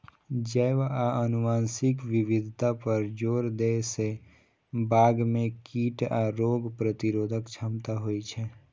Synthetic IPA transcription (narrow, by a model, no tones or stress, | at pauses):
d͡ʒəʋaənʊmaːnsɪkʋɪwɪd̪ʱt̪apəɾd͡ʒoːɾd̪ese | baːɡmẽkiːʈaɾoːɡpɾət̪ɪɾoːd̪ʱəkt͡ʃʰəmt̪aɦoit͡ʃʰɛ